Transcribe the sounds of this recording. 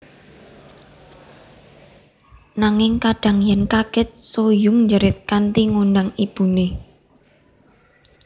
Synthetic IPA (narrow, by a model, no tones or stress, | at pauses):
naŋɪŋkaɖ̥a̤ŋjənkaɡ̥ɛ̤t̪̚sojʊŋɲd͡ʒəɾɪt̪̚kant̪iŋundaŋib̥ṳne